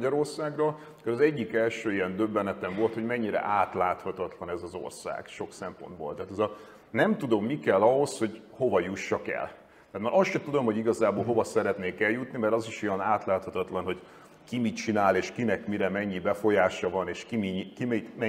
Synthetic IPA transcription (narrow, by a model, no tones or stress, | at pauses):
ɒɾo̞rsaːɡrɒ | koɾɒzɛɟːikɛlʃøːijɛnd̪øbːɛnɛt̪ɛɱvo̞lt̪ho̞ɟmɛɲːiɾɛ̰ʔaːt̪laːt̪hɒt̪ɒt̪lɒnɛzɒzo̰rsa̰ːɡ̥ʃo̞ksɛmpo̞̰nd̪bo̰ːlt̪ɛaːt̪ɛzɒ | nɛmt̪ud̪o̞mːikɛlːɒɦo̞sho̞ɟ | ho̞vɒjuʃːɒkɛ̰l | aːt̪maːɾʔɒsʃɛt̪ud̪o̞mho̞ɟiɡɒzaːboːlɦo̞vɒsɛɾɛt̪neːkɛljut̪nimɛɾɒziʃojɒnaːt̪laːt̪hɒt̪ɒt̪lɒnɦo̞ɟ | kimit͡ʃinaːleːʃkinɛkmiɾɛmɛɲːibɛfo̞jaːʃɒvɒneːʃkimiikimimɛ